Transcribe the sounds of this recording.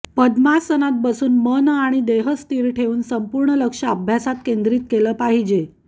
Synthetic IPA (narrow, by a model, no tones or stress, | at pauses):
pəd̪masənat̪̚bəsuːnmənəaɽ̃id̪eɦəst̪iːɾʈʰeuːnsəmpuɾɳələkʂəəbʱjasat̪kend̪ɾiːt̪keləːpaɦid͡ʑe